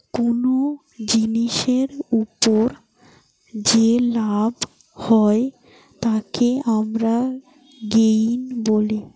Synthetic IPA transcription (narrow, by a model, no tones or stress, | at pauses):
kono | d͡ʑiniʃeɾupoɾ | d͡ʑelab | hɔe | t̪akeamɾa | ɡejnboli